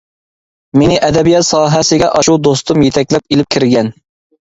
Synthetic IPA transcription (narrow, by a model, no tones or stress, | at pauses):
menɪʔɛd̪ɛbijɑt̪sɑːɦɛsɪɡʲɛʔɑʃud̪ost̪ʊmjet̪ʰɛkʲlɛp̚elɪp̚kʲʰɪɾɡʲɛn